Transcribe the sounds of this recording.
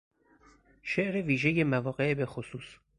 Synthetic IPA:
ʃeʔɾeviːʒejemævɒːɢebe̞xosuːs

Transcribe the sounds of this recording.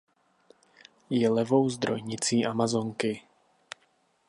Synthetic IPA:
jɛlɛvo̞wzd̪ɾojɲɪt͡siːʔamazoŋkɪ

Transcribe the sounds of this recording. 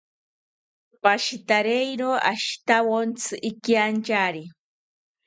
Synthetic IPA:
paʃit̪aɾejɾoa̰ʃt̪awont͡sʰɨʔɪkjant͡ʃaɾi

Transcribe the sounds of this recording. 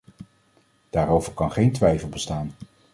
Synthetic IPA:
d̥aːɾowvəɹkɑnχejntʋɛjfəlˠbəstaːn

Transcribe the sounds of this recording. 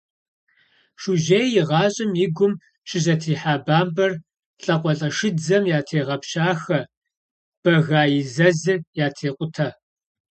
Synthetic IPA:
ʂuʒejjɪʁɑːɕʼɪmjɪɡʷʊm | ʃɪʑɐtʰiːħaːbaːmbɐr | ɬʼɐqʷʼɔɬʼɐʂɨd͡zɐmjaːtʰeːʁɐpɕaːxɐ | b̥ɐɣaːjɪzɐzɨjaːtʰeːqʷʼʊtʰɐ

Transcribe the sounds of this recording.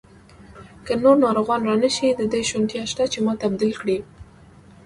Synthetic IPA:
kənoɾnɑɾoɣɑnɾɑnəʃid̪əd̪əjʃunt̪jɑʃt̪at͡ʃemɑt̪abd̪ilkɽi

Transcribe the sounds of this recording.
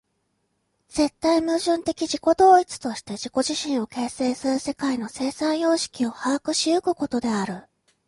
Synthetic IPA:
z̥e̞t̪ːaimɯ̟ːʑɨ̃nt̪e̞kʲiʑiko̞d̪o̞ːit͡sɨ̥t̪o̞ɕi̥t̪e̞ʑiko̞ʑiɕĩɰ̃o̞ke̞ːse̞ːsɨɾɯ̟se̞kaino̞se̞ːsãɰ̃jo̞ːɕi̥kʲio̞hakɯ̟ɕiɯkɯ̟ko̞t̪o̞d̪e̞aɾɯ̟

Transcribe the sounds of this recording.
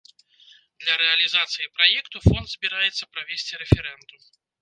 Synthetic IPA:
d̪lʲɐɾɛɐlʲizat̪sɨjipɾajɛkt̪ufɔnd̪zʲbʲiɾajɛt̪sːɐpɾavʲesʲt͡sʲiɾɛfʲɛɾɛnd̪um

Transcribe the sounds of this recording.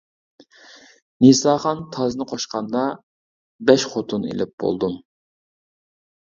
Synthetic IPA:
nesɑːχɑnt̪ʰɑznɨqʰoʃqɑnd̪ɑ | bɛʃχot̪ʰunḛlɪp̚b̥o̰lˠd̪um

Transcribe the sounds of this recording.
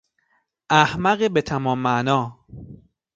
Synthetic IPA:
ʔæhmæɣebet̪ʰæmɒːmːæʔnɒː

